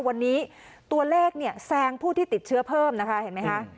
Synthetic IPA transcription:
wa˧nːiː˦˥ | t̪u˧ɐleː˥˩k̚ni˥˩ɐəsɛː˧ŋpʰuː˥˩t̪ʰiː˥˩t̪i˨˩t̪̚t͡ɕʰɯ˦˥ɐpʰɤː˥˩mna˦˥kʰa˦˥he˨˩˦nma˦˥jkʰa˦˥ʔ

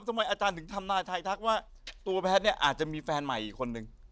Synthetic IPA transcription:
mt̪ʰa˧ma˧jʔaː˧t͡ɕaː˧nt̪ʰɯ˩˦ŋt̪ʰa˧mnaː˧˩jt̪ʰa˧jt̪ʰa˦˥k̚waː˥˩ | t̪u˧ɐpʰɛː˦˥t̪̚ni˥˩ɐʔa̰ː˨˩t̪̚t͡ɕa˨˩miː˧fɛː˧nma˨˩jʔiː˨˩kʰːo˧nːɯ˨˩ŋ

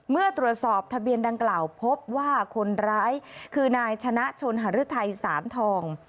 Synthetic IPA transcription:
mɯ˥˩ət̪ɾu˨˩ət̪̚sɔː˨˩p̚t̪ʰa˧bi˧ənda˧ŋklaː˨˩wpʰo˦˥p̚waː˥˩kʰo˧nɾaː˦˥jkʰɯː˧naː˧jt͡ɕʰa˧na˦˥ʔt͡ɕʰo˧nɦa˨˩ɾɯ˦˥t̪ʰa˧jsaː˩˦nt̪ʰɔː˧ŋ

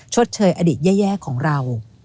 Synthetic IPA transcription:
t͡ɕʰo˦˥t̪̚t͡ɕʰɤː˧jʔa˧diː˨˩t̪̚jɛː˥˩jɛː˥˩kʰːɔː˩˦ŋɾa˧w

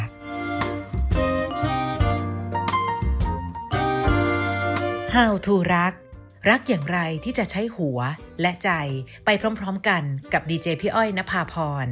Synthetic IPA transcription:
haː˧˩wt̪ʰuː˧ɾa˦˥k̚ | ɾa˦˥k̚jaː˨˩ŋɾa˧jt̪ʰiː˥˩t͡ɕa˨˩ʔt͡ɕʰa˦˥jhu˨˩˦ɐ | lɛ˦˥ʔt͡ɕa˧jpa˧jpʰɾɔː˦˥mpʰɾɔː˦˥mka˧nka˨˩p̚diː˧t͡ɕeː˧pʰi˦˥ʔɔ˥˩jna˦˥pʰːaː˧pʰɔː˧n

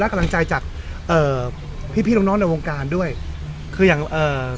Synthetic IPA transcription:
lɛ˦˥ka˧mla˧ŋt͡ɕa˧jt͡ɕaː˨˩k̚ | ʔɤː˨˩ | pʰiː˥˩pʰi˥˨o˦˥nɔː˦˥na˧jwoː˧ŋkaː˧ndu˥˩əj | kʰɯː˧jaː˨˩ŋʔɤː˨˩

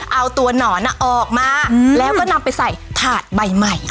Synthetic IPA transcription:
ʔa˧wt̪u˧ɐnɔː˩˦na˦˥ʔɔː˨˩k̚maː˧˥˩lɛː˦˥wkɔː˥˩na˧mpa˧jsa˨˩jt̪ʰaː˨˩t̪̚ba˨˩jma˨˩j

